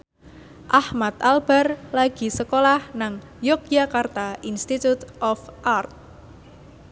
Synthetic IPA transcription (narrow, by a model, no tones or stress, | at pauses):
ʔahmat̪alb̥arlaɡ̥i̤səkolahnaŋ | jokjakart̪aʔinst̪it̪ut̪ʔɔfʔart̪̚